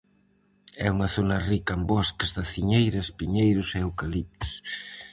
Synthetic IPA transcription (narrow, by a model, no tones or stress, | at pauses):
ɛuŋɐθonɐrikɐembɔskɐzðɐθiɲejɾɐspiɲejɾʊseewkɐlip̚t̪s